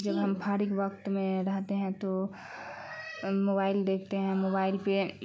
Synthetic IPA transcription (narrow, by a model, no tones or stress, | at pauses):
d͡ʒəbɦəmpʰaːɾɪkʋəkt̪mẽɾəɦt̪eɦɛ̃t̪o | mobaːɪld̪eːkʰt̪eɦɛ̃moːbaːɪlpe